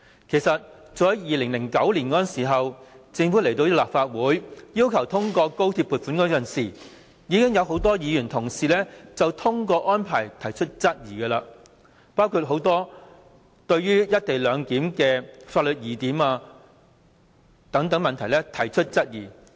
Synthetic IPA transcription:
kʰe˨˩jsɐ˨t̚ | t͡ʃɔː˨˧˥jɐ˨˥jiː˨˧lɪ˨˩ŋlɪ˨˩ŋkɐ˨˥wliː˨˩nkɔː˧˥˨nsiː˨˩ɦɐ˨wt͡sɪ˧ŋfuː˨˥le˨˩jt̪o˧wjɐ˥t̚laː˨p̚faː˧t̚wuː˨˥jjiː˥wkʰɐ˨˩wt̪ʰʊ˥ŋkɔː˧ko˥wt̪ʰiː˧pːuː˨t̚fuː˨˥nkɔː˨˥kɐ˨nsiː˨˩ | jiː˨˧kɪ˥ŋjɐ˨˧wɦo˨˥wt̪ɔː˥jiː˨˧jyː˨˩nt̪ʰʊ˨˩ŋsiː˨lɛː˥t͡sɐ˨wt̪ʰʊ˥ŋkɔː˧ʔɔː˥npʰaː˨˩jt̪ʰɐ˨˩jt͡ʃʰɵ˥t̚t͡sɐ˥t̚jiː˨˩ɡɛ˧laː˧ | paː˥wkʰu˧t̚ɦo˨˥wt̪ɔː˥ | t̪ɵ˧ɥɥyː˥jɐ˥t̚t̪e˨jlœː˨˧ŋkiː˨˥mkɛː˧faː˧t̚lɵ˨t̚jiː˨˩t̪iː˨˥maː˧ | t̪ɐ˨˥ŋt̪ɐ˨˥ŋmɐ˨nt̪ʰɐ˨˩jlɛ˥t̪ʰɐ˨˩jt͡ʃʰɵ˥t̚t͡sɐ˥t̚jiː˨˩

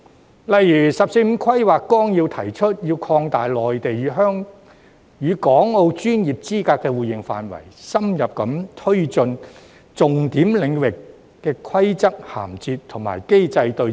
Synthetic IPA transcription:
lɐ˨jːyː˨˩sɐ˨p̚se˧jm̩˨˧kʰwɐ˥jwaː˨kːɔː˥ŋjiː˧wt̪ʰɐ˨˩jt͡ʃʰɵ˥t̚jiː˧wkʰɔː˧ŋt̪aː˨jlɔː˨jt̪e˨jyː˨˧˥ɦœː˥ŋ | jyː˨˧kɔː˨˥ŋo˧wt͡ʃyː˥njiː˨p̚t͡siː˥kaː˧kːɛː˧wuː˨˩jɪ˨ŋfa̰ː˨nwɐ̰˨˩jsɐ˥mjɐ˨p̚kɐ˨˥mt̪ʰɵ˥ɥt͡ʃɵ˧n | t͡sʊ˨ŋt̪iː˨˥mlɪ˨˧ŋwɪ˨kː | ɛː˧kʰwɐ˥jt͡sɐ˥k̚ha̰ː˨˩mt͡siː˧tt̪ʰʊ˨˩ŋma̰ː˨˩jke˥jt͡sɐ˧jt̪ɵ˧

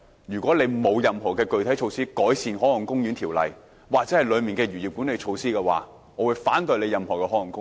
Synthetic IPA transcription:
ɥyː˨˩kʷɔː˨˥le˨˧jmo˨˧wjɐ˨mɦɔː˨˩kɛː˧kɵ˨ɥt̪ʰɐ˨˥jt͡ʃʰo˧wsiː˥kɔː˨˥jsiː˨˧nɦɔː˨˥ŋɔ˨˩ŋkʊ˥ŋjy˨˥nt̪ʰiː˨˩wlɐ̰˨j | waː˨k̚t͡sɛː˨˥hɐ˨jlɵ˨˧ɥmiː˨nkɛː˧ɥyː˨˩jiː˨p̚ku˨˥nle˨˧jt͡ʃʰo˧wsiː˥kɛː˧wa̰ː˨˧˥ | ŋɔː˨˧wu˨˧jfaː˨˥nt̪ɵ˧ɥle˨˧jɐ˨mhɔː˨˩kɛː˧hɔː˨˥ɐ˨˩ŋkʊ˥

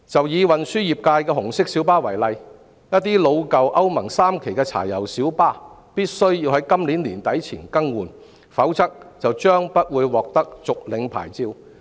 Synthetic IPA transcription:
t͡sɐ˨wjiː˨˧wɐ˨nsyː˥jiː˨p̚kaː˧jkɛː˧ɦʊ˨˩ŋsɪ˥k̚siː˨˥wpaː˥wɐ˨˩jlɐ˨j | jɐ˥t̚t̪ːiː˥lo˨˧wkɐ˨wʔɐ˥wmɐ˨˩ŋsaː˥mkʰe˨˩jkɛː˧t͡sʰa̰ː˨˩jɐ˨˩wsiː˨˥wpaː˥ | piː˥t̚sɵ˥ɥjiː˧whɐ˨˥jkɐ˥mliː˨˥nliː˨˩nt̪ɐ˨˥jt͡sʰiː˨˩nkɐ˥ŋwuː˨n | fɐ˨˥wt͡sɐ˥k̚t͡sɐ˨wt͡ʃœː˥ŋpɐ˥t̚wuː˨˧jwɔː˨k̚t̪ɐ˥k̚t͡sʊ˨k̚lɪ˨˧ŋpʰa̰ː˨˩jt͡siː˧w

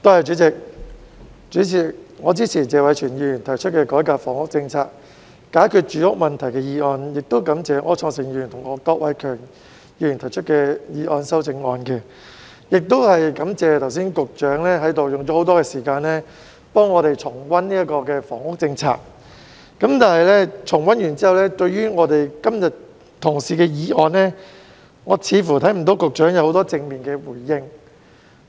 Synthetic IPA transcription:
t̪o˥hɐ˨˩jt͡ʃyː˨˥t͡sɪ˨k̚ | t͡ʃyː˨˥t͡sʰɪ˨˩k̚ŋɔː˨˧t͡siː˥t͡sʰiː˨˩t͡sɛː˨˧wɐ˨˧jt͡ʃʰyː˨˩njiː˧jyː˨˩nt̪ʰɐ˨˩jt͡ʃʰɵ˥t̚kɛː˧kɔː˨˥jkaː˧p̚fɔː˨˩ŋʊ˥k̚t͡sɪ˧ŋt͡sʰaː˧k̚ | kaː˨˥jkʰyː˧t̚t͡ʃyː˨˥jʊ˥k̚mɐ˨nt̪ʰɐ˨˩jkɛː˧jiː˧ɔː˧njɪ˨k̚t̪o˥wkɐ˨˥mt͡sɛː˨ŋʔɔː˨˧t͡sʰɔː˧ŋsɪ˨˩ŋji˧˨˩nt̪ʰʊ˨˩ŋɔː˨˧kɔː˧k̚wʔɐ̰˨˧jkʰœː˨˩ŋ | jiː˧˥jy˨˩nt̪ʰɐ˨˩jt͡ʃʰɵ˥t̚kɛː˧jiː˧ʔɔː˧nsɐ˥wt͡sɪ˧ŋɔː˧nkɛ˧ | jɪ˨k̚t̪o˥whɐ˨jkɐ˨˥mt͡sɛː˨t̪ʰɐ˨˩wsiː˥nkʊ˨k̚t͡ʃœː˨˥ŋlɛː˥ɦɐ˨˥jt̪o˨wjʊ˨ŋt͡ɕɔ˨˦˥ho˨˥wt̪ɔː˥kɛː˧siː˨˩kaː˧nlɛ˥ | pɔː˥ŋːɔː˨˧ɾe˨jt͡sʰʊ˨˩ŋwɐ˥nniː˥ɐ˥kɔː˧kɛː˧fɔ̰ː˨˩ŋʊ˥k̚t͡sɪ˧ŋt͡sʰa̰ː˧k̚ː | ɐ˨˥mt̪aː˨nɦɐ˨jlɛː˥t͡ʃʰʊ˨˩ŋwɐ˥njyː˨˩nt͡siː˥hɐ˨wlɛː˥t̪ɵ˧ɥɥyː˥ŋɔː˨˧t̪e˨jkɐ˥mjɐ˨t̚ | t̪ʰʊ˨˩ŋsiː˨˩kɛː˧jiː˨˧ʔɔː˧nlɛ˥ | ŋɔː˨˧t͡sʰiː˨˧˥fuː˨˩t̪ʰɐ˨˥jm̩˨˩t̪o˨˥wkʊ˨k̚t͡ʃœː˨˥ŋjɐ˧who˨˥wt̪ɔː˥t͡sɪ˧ŋmiː˨˩nkɛː˧wuː˨˩jːɪ˧ŋ

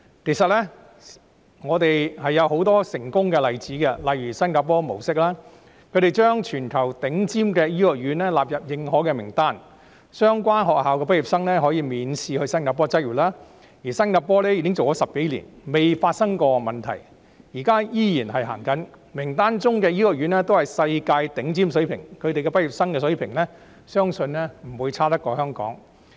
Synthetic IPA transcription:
kʰe˨˩sɐ˨t̚lɛ˥ | ŋɔː˨˧t̪e˨jhɐ˨jːɐ˨˧who˨˧˥wt̪ɔː˥sɪ˨˩ŋkʊ˥ŋkɛ˧lɐ˨jt͡siː˨˥kɛ˧lɐ˨jɥyː˨˩sɐ˥nkaː˧˥p̬ɔː˥mo˨˩wsɪ˥k̚laː˥ | kʰɵ˨˧ɾe˨jt͡ʃœː˥ŋt͡ʃʰyː˨˩nkʰɐ˨˩wt̪ɪ˨˥ŋt͡siː˥mkɛː˧jiː˥jɔ˨˩k̚jɥyː˨˧nlɛː˥laː˨p̚jɐ˨p̚jɪ˨˧ŋɦɔː˨˥kɛ˧mɪ˨˩ŋt̪aː˥n | sœː˥ŋkʷaː˥nɦɔː˨k̚haː˨wkɛː˧p̬ɪ˥k̚ji˨p̚sɐ˥ŋlɛː˥ɦɔː˨˥jiː˨˧miː˨˧nsʰiː˧hɵ˧sɐ˥nkaː˧p̬ːɔː˥t͡sɐ˥ɥyː˨˩laː˥ | jiː˨˩sɐ˥nŋa˨˧t̚pːɔː˥lɛː˥jkɪ˥ŋt͡so˨wkɔː˨˥sɐ˨p̚ke˨˥jlḭ˨˩nme˨jfaː˧t̚sɐ˥ŋkɔː˧mɐ˨nt̪ʰɐ˨˩j | jiː˨˩kaː˥jiː˥jiː˨˩nɦɐ˨jɦa̰ː˨˩ŋkɐ˨˥nmɪ˨˩ŋt̪aː˥nt͡sʊ˥ŋkɛː˧jiː˥lɔ˨k̚jyː˨˥nlɛː˥t̪o˥whɐ˨˩jsɐ˧jkaː˧jt̪ɪ˨˥ŋt͡siː˥msɵ˨˥ɥpʰɪ̰˨˩ŋkʰɵ˨˧ɥt̪e˨jkɛː˧pɐ˥ji˨˩psɐ˥ŋkɛː˧s̬ɵ˨˥ɥpʰɪ˨˩ŋlɛː˥ | sœː˥ŋsɵ˧nɛ˥m̩˨˩wuː˨˧jt͡sʰaː˥t̪ɐ˥kːɔː˧hœː˥ŋkɔ̰ː˨˥ŋ

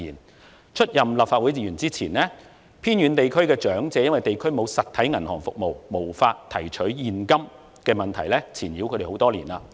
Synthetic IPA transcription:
iː˨˩n | t͡ʃʰɵ˥t̚jɐ˨mlɐ˨˩pfaː˧t̚wu˨˥jt͡siː˨jyː˨˩nt͡siː˥t͡sʰiː˨˩nɛː˥ | pʰiː˥nɥyː˨˧nt̪e˨jkʰɵ˥ɥkɛː˧t͡ʃœː˨˥ŋt͡sɛː˨˧jɐ˥nwɐ˨jt̪e˨jkʰɵ˥ɥmo˨˧wsɐ˨t̪̚ʰːɐ˨˥jŋɐ˨˩nhɔː˨˩ŋfʊ˨k̚mo˨wmo˨˩wfaː˧t̚t̪ʰɐ˨˩jt͡ʃʰɵ˨˥ɥjiː˨nkɐ˥m | kɛː˧mɐ˨nt̪ʰɐ˨˩jlɛː˥t͡sʰiː˨˩njiː˨˥kʰɵ˨˧ɾe˨˩ho˨˥wt̪ɔː˥liː˨˩naː˧

